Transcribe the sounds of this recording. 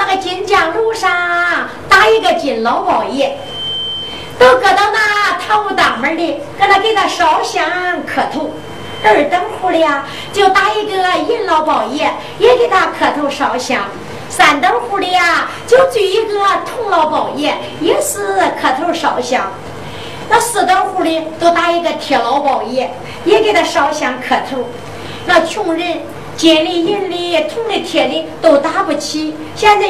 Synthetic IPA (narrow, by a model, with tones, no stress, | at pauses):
na˥˩ɡə˩t͡ɕi˧˥nt͡ɕjɑ˨˩ŋlu˥˧ʂɑ˥˧ŋ˩ | t̪a˥i˥˧ɡə˧t͡ɕi˨˩nlɑ˧˥ʊpɑ˨˩ʊjɛ˥˩ | t̪o˥˩ʊkʰɤ˨˩t̪ɑ˥˧ʊna˥˧t̪ʰa˥˧u˥˩t̪ɑ˨˩ŋmə˧˥li˧˩ke˧˥˧t̪ʰa˧ke˧˥˩ɪt̪ʰa˥˩ʂɑ˧˥ʊɕjɑ˧˥ŋkʰɤ˨˩t̪ʰo˥˩ʊ | ə˞˥˩t̪ə˥ŋxu˥˧li˧a˩ | t͡ɕjo˥˩ʊt̪a˥i˥˧ɡə˥˧i˥˩nlɑ˧˥ʊpɑ˨˩ʊjɛ˥˩ | jɛ˧˥ke˧˩t̪ʰa˥˩kʰɤ˨˩t̪ʰo˥˩ʊʂɑ˧˥ʊɕjɑ˧˥ŋ | sa˨˩nt̪ə˥ŋxu˥˧li˧˥a˥˧t͡ɕjo˥˧ʊt͡sy˥˩i˥ɡə˧t̪ʰʊ˥˩˧ŋlɑ˧˥ʊpɑ˨˩ʊjɛ˥˩ | jɛ˥sɹ̩˥˧˩kʰɤ˨˩t̪ʰo˥˧ʊʂɑ˧˥ʊɕjɑ˧˥˦ŋ | na˥˩sɹ̩˨˩t̪ə˥nxu˥˧li˧˥nt̪o˥˧ʊt̪a˥i˧˥ɡə˧t̪ʰjɛ˨˧˩lɑ˧˥ʊpɑ˨˩ʊjɛ˥˩ | jɛ˧˥ke˧˨˩ɪt̪ʰa˥˩ʂɑ˧˥ʊɕjɑ˧˥ŋkʰɤ˨˩t̪ʰo˥˩ʊ | na˥˧t͡ɕʰʊ˥˧ŋɻə˥˩n | t͡ɕjɛ˧˩li˥˧ji˥˧nli˥˩˧t̪ʰʊ˥˧ŋli˥˩t̪ʰjɛ˨˩li˥˩t̪o˨˩ʊt̪a˥pu˧˥˩t͡ɕʰi˥ | ɕjɛ˥˧nt͡sa˥˩